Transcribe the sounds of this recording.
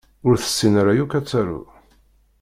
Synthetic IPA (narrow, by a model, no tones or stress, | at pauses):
ʊɾθə̥sːinaɾajukæt͡sːaɾṵ